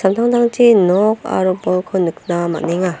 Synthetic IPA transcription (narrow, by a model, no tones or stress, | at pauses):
sant̪ʰaŋd̪aŋt͡ɕʰinɔka̰ɾɯbɔkʰɯnɯkʰɯnama̰nːeŋa